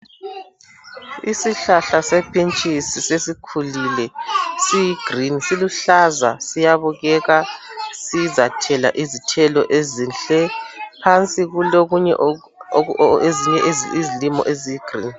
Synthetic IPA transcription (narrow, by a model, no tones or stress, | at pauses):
isiɬaɬasepʰint͡ʃʼisisesikʰulilɛsijiɡ̥rinisiluɬazasijaβuɣɛɣasizatʰɛla̰ʔizitʰɛlɔʔezinɬɛpʰant͡sʼiɣuloɣuɲɛ | eziɲɛʔzizilimɔ̰ʔezijiɡ̥ʱrḭːn